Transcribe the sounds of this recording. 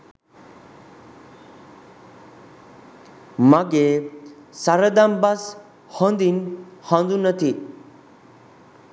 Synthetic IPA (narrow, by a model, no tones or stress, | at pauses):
maɡe | saɾəd̪ambas | hɔnd̪inhãnd̪unət̪ʰi